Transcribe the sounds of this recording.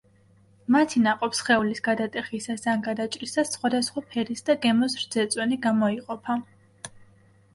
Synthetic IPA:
mat̪ʰinaqʼɔpsχɛulisɡad̪at̪ʼɛχisasanɡad̪at͡ʃʼɾisasχwad̪asχwapʰɛɾisd̪aɡɛmɔsɾd̪z̥ɛt̪sʼwɛniɡamɔiqʼɔpʰa

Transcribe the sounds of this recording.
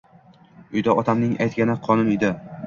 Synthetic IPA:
ʊjd̪aɒt̪ʰamnɪŋa̰jt̪̚kʲanɪqʰɒnʊnɪd̪ɪ

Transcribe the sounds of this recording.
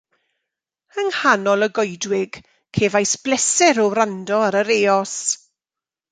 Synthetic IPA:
əŋhanɔlˠəɡɔjdwɪɡ̥ | kʰeːvajsb̥lɛsɪɾɔɾandɔaɾəɾeːɔs

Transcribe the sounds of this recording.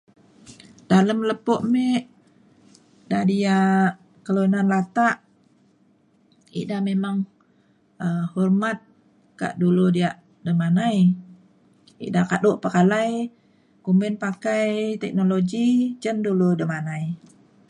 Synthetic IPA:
daləmləpɔʔmeʔ | dahdiaʔ | kəloinanlat̪aʔ | ḭʔdahmemaŋ | əhɔrmat̪̚ | ka̰ʔduludiaʔ | dəmanaj | ḭʔdahkadoʔpəkalaj | kumənpakajt̪ɛk̚noloɡid͡ʒənduludəmanaj

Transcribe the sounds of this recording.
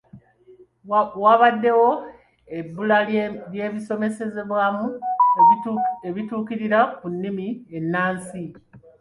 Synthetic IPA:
waβadːe̞wo̞ | e̞bːulalje̞ːβiso̞me̞se̞ze̞βwaːmu | eβituːkiɾiɾakunːimie̞nːaːnsi

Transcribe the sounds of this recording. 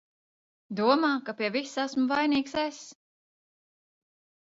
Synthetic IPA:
d̪uɔmaːkapʲiɛvisæsmuvajniːksɛs

